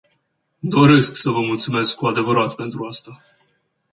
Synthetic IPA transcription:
d̪o̞ɾe̞sksəvəmult̪sume̞skkuad̪e̞vəɾat̪pe̞nt̪ɾuast̪a

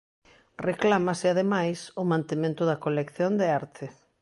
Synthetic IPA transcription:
reklamasɪaðemajsʊmãnt̪emẽnt̪ʊðɐkolekθjond̪eaɾt̪ʰɪ

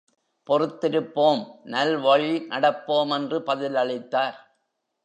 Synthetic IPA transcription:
pɔrɯt̪ːɪɾɯpːoːmnɐlʋɐɻinɐɽɐpːoːmɛndrɯpɐðɪlɐɭɪt̪ːaːɾ

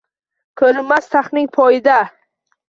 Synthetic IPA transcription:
kʰɵlɪmːast̪ʰaχnɪŋpʰɒjɪd̪a

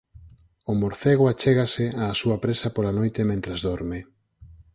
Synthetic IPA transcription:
omoɾθeɣoat͡ʃeɣaseaːsuapɾesapolanojt̪emẽnt̪ɾazðoɾme

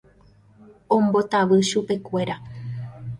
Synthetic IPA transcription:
õ̞mbo̞t̪aʋɨʃupe̞kʷe̞ɾa

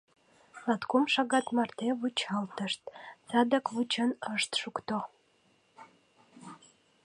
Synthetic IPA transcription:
lɑt̪komʃɑɣɑt̪mɑrt̪eβut͡ɕɑlt̪əʃt̪̚t͡sɑd̪əkβut͡ɕənəʃt̪ʃukt̪o

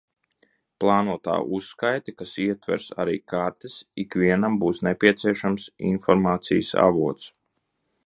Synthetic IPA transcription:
plˠɑːnuɔt̪a̰ːʔusːkajt̪ikasiɛt̪vɛ̰ɾsa̰ɾḭːkaɾt̪esikʋiɛnambuːsnepʲiɛt̪siɛʃamsḭnfɔɾmaːt̪sijsa̰vuɔt̪s

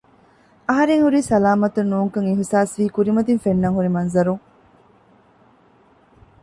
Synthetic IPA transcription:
ɐɦɐɾeŋhuɾiːsɐlaːmɐt̪ɐnːuːŋkɐŋeɦisaːsʋiːkuɾimɐt̪infenːɐŋɦuɾimɐnzɐɾuŋ

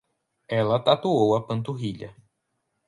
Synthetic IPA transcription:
ɛlɐt̪at̪uowɐpɐ̃nt̪uɦiʎɐ̰

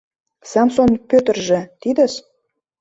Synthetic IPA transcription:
sɑmsonpʲøt̪ə̆rʒĕt̪id̪ə̆ʃ

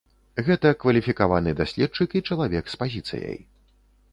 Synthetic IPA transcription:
ɣɛt̪ɐkvɐlʲifʲikavanɨd̪asʲlʲɛt̪̚t͡ʂɨkit͡ʂɐlˠavʲɛkspazʲit̪sɨ̰jɐ̰j

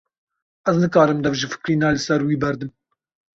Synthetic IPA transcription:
ʔɛznɨkɑːɾɨmd̪ɛvʒɨfɨ̥kɾiːnɑːlɨsɛɾwiːbɛɾd̪ɨm

